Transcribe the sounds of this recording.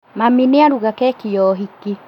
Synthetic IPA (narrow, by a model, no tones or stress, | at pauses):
mamineaɾuɣakɛkijɔɦiki